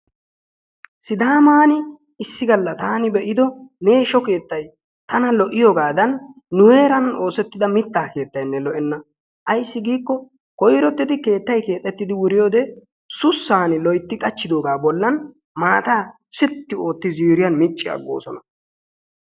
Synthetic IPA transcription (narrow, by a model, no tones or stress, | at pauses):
sɪd̪aːmaːnɪ | ɪsːɪɡɐlːɐt̪aːnɪbɛʔɪd̪ɔme̞ːʃɔke̞ːt̪ːɐj | t̪ɐnɐlɔʔɪjoːɡaːd̪ɐnː | ʊweːɾɐno̞ːsɛt̪ːɪd̪ɐmɪt̪ːaːke̞ːt̪ːɐjnːɛlɔʔɛnːɐ | ʔɐjsːɪɡiːkːɔ | kɔjɾɔt̪ːɪd̪ɪke̞ːt̪ːɐjke̞ːt̪ʼːɛt̪ːɪd̪ɪwʊɾɪjo̞ːd̪ɛ | sʊsːaːnɪlɔjt̪ːɪkʼɐt͡ʃːɪd̪o̞ːɡaːbɔlːɐn | maːt̪aː | sɪt̪ːɪo̞ːt̪ːɪziːɾɪjɐnmɪt͡ʃʼːɪɐ̰ɡːo̰ːsɔnɐ